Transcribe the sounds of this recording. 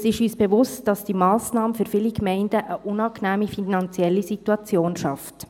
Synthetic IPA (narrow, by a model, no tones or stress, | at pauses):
sɪʃyːsb̥eʋʊstd̥ɑsd̥imɑːsnɑːmfyɾfɪlikmɛɪndəʔəʔʊnɑːknæːmifinɑnt͡sjɛlːisituɑt͡sjoːnʃɑft